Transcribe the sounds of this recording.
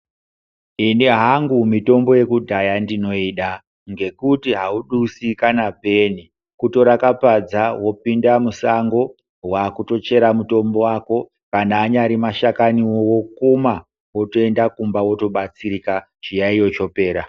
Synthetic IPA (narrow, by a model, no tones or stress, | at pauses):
iniɦaŋɡumito̞mbo̞je̞kudʱajandino̞iːɗa | ŋɡe̞kutiɦauɗusikanape̞ni | kuto̞ɾakapad͡zawo̞pindamusaŋɡo̞ | waːkuto̞t͡ʃe̞ɾamuto̞mbo̞wako̞ | kanaːɲaɾimaʃakaniwowo̞kuma | wo̞to̞e̞ndakumbawo̞to̞ɓat͡siɾika | t͡ʃijaijo̞t͡ʃo̞pe̞ːɾa